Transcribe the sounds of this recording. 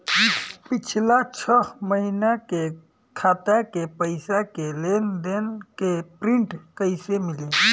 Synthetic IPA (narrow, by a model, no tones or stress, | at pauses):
pɪt͡ʃʰlat͡ʃʰəməɦinake | kʰaːt̪akepəɪsakeleːnd̪eːnkepɾĩɳʈkəɪsemɪle